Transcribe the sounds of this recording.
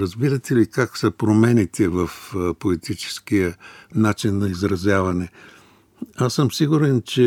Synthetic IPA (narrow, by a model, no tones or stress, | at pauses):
ɾɐzbiɾɐt̪ɛlikaksəpɾomɛnit̪ʰɛvɐfpoit̪it͡ʃɛ̥skijənat͡ʃinːɐizɾɐzʲjavɐnɛ | asəmsiɡʊɾɛnt͡ʃɛ